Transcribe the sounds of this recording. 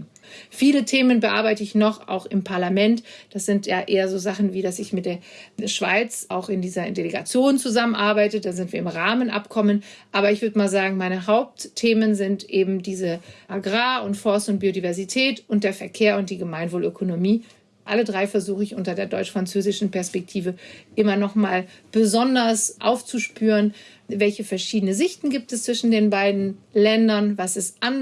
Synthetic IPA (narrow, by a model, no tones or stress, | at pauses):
fiːlətʰeːmənbəʔa̰ɐbaɪtəɪçnɔχa̰ʊxɪmpʰaɐlamɛntd̥asz̥ɪntjaːʔeːɐzoːzaχn̩viːdasɪçmɪt̚d̥eːɐʃv̥a̰ɪt͡sʔaʊxɪndiːzɐdeleɡa̰t͡sjoːnt͡suzamənʔaɐbaɪtəd̥aːzɪntv̥iːɐɪmʁaːmənʔa̰pkʰɔmənʔaːbɐɪçv̥ʏɐdəmaːlzaːɡŋ̩maɪnəɦaʊp̚ttʰːeːmənzɪntʔeːbm̩diːzəʔaɡʁaːʊntfɔɐstʊnt̚b̥iːodivɛɐzitʰɛːtʊnt̚d̥eːɐfɛɐkʰeːɐʊnt̚d̥iːɡəmaɪnvoːløkʰonomiː | ʔalədʁaɪfɛɐzuːxəɪçʔʊntɐdeːɐdɔʏt͡ʃfʁ̥ant͡søːzɪʃn̩pɛɐspɛk̚tʰiːvəʔɪmɐnɔχmaːlb̥əzɔndɐsʔa̰ʊft͡suʃpyːʁən | vɛlçəfɛɐʃiːdənəzɪçtn̩ɡiːp̚tɛst͡sv̥ɪʃn̩deːnbaɪdn̩lɛndɐnvasɛsʔan